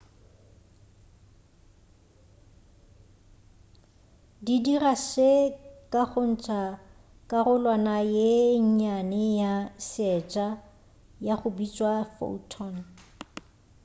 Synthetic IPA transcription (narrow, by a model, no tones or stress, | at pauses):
didiraʃekʼaχʊn̩t͡ʃʼa | kʼarʊlwanajeɲ̩ɲanɪjasɛt͡ʃʼa | jaχʊbit͡ʃʼwafo̰utʰɔn